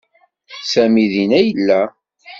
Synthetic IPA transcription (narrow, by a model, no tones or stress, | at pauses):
sæmiðinæjəlːæ